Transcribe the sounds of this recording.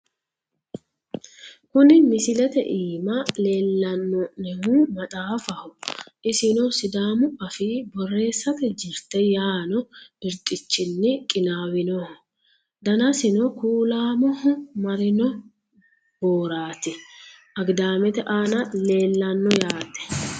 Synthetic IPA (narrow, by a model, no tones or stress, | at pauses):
kʊnɪmɪsɪlɛt̪ɛ̰ʔiːmɐle̞ːlːɐnːɔnɛhumɐt̪ʼaːfɐhʊʔɪsɪnɔsɪd̪aːmʊɐfiːbɔrːe̞ːsːɐt̪ɛd͡ʒɪɾt̪ɛjaːnɔɪɾt̪ʼɪt͡ʃːɪnːɪkʼɪnaːwɪnɔhʊ | d̪ɐnɐsɪnɔkuːlaːmɔhʊmɐɾɪnɔ | boːɾaːt̪ɛ | ɐɡd̪aːmɛt̪ɛʔaːnɐle̞ːlːɐnːɔjaːt̪ːɛ̥